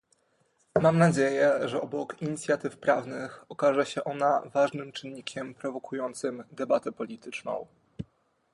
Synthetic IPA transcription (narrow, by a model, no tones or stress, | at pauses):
mamnad͡ʑejɛʐɛɔbɔkiɲit̪sʲjat̪ɘfpɾavnɘxɔkaʐɛɕɛʔɔnavaʐnɘmt͡ʂɘnːikʲɛmpɾɔvɔkujɔnt̪sɘmd̪ɛbat̪ɛpɔlʲit̪ɘt͡ʂnɔ̰̃w̃